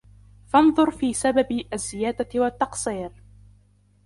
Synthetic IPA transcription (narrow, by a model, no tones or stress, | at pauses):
fɑnðˤʊɾfiːsababʔazːɪjaːd̪awat̪ːɑqsˤiːɾ